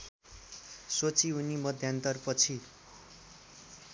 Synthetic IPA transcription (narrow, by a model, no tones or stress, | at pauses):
sot͡siunimʌd̪ʱjant̪ʌrpʌt͡sʰi